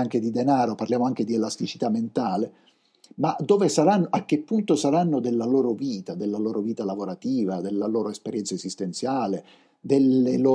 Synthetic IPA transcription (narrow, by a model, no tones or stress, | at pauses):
aŋk̟ed̪id̪enaːɾoparljaːmoaŋk̟ed̪ielast̪it͡ʃi̥t̪amːent̪aːle | mad̪oːvesaɾanːoʔak̟ːepːunt̪osaɾanːod̪elːaloːɾoviːt̪ad̪elːaloːɾoviːt̪alavoɾat̪iːvad̪elːaloːɾoespeɾjɛnt̪saezist̪ent̪sjaːle | d̪eleloː